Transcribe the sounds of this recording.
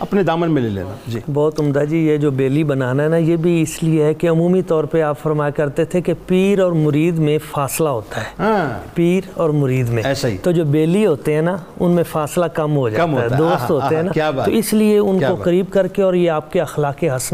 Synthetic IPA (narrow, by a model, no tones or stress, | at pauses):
ɐpned̪aːmənmẽlelḛːnad͡ʒiːbɔːt̪ʊmd̪ad͡ʒijed͡ʒoːbeːlibɐnaːnaɦɛnajebʱiɪslieɦɛkeɐmuːmit̪ɔːɾpeaːpfɐɾmaːjakɐɾt̪et̪ʰekepiːɾɔːɾmʊɾiːd̪mẽfaːslaɦoːt̪aɦɛːãpiːɾɔːɾmʊɾiːd̪mẽɛːsait̪od͡ʒoːbeːliɦoːt̪eɦɛ̃ːna | ʊ̰nmẽfaːslakɐmɦod͡ʒatɦoaːaɦɛd̪oːst̪ɦoːt̪eɦɛnaaːt̪oɪslieʊnkːokɐɾiːb̚kɐɾkeɔːɾjeaːp̚keɐxlaːkeɦɐsn